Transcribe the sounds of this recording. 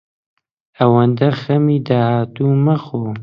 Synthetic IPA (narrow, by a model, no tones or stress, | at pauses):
ɐwɐnd̪ɐxɐmid̪ahaːt̪uːmɐxoː